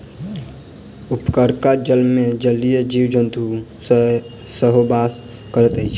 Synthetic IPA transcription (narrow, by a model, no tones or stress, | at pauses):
ʊpkəɾkad͡ʒəlmẽd͡ʒəlijed͡ʒiːwd͡ʒənt̪u | səɦobas | kəɾət̪əit͡ʃʰ